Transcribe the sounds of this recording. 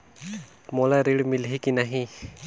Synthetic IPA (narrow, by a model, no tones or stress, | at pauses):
mɔlaɾiɽmilɦikinaɦĩ